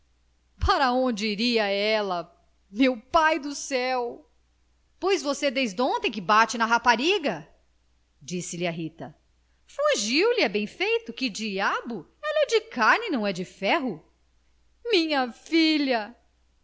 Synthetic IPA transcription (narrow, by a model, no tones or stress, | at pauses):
paɾɐõd͡ʒɪiɾiɐɛlɐ | mewpajd̪ʊsɛw | pojzvosed̪ejzd̪õnt̪ẽj̃kɪbat͡ʃɪnɐɦapaɾiɡɐ | d͡ʒisɪlɪɐɦit̪ɐ | fũʒiwlɪɛbẽj̃fejt̪ʊkɪd͡ʒiabʊ | ɛlɐɛd͡ʒɪkaɾnɪnɐ̃w̃ɛd͡ʒɪfɛɦʊ | mĩɲɐfiʎɐ